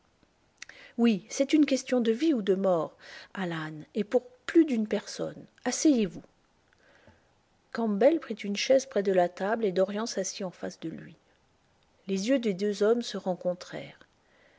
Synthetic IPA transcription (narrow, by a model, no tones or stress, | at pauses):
wisɛt̪ynkʲɛst̪jɔ̃d̪əviud̪əmɔʁalanepuʁplyd̪ynpɛʁsɔ̰nasɛjevu | kɑ̃bɛlpχit̪ynʃɛzpχɛd̪əlat̪abled̪ɔʁjɑ̃sasiɑ̃fasd̪əlɥḭ | lezjød̪ed̪øzɔmsəʁɑ̃kɔ̃t̪χɛ̰ːʁ